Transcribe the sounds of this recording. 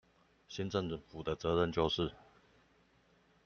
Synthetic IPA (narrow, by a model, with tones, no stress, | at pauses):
ɕi˥nʈ͡ʂə˥˨ŋfu˨˩d̪ə˦t͡sɤ˨˧˥ɻə˥˧nt͡ɕjo˥˧ʊʂɻ̩˥˩˨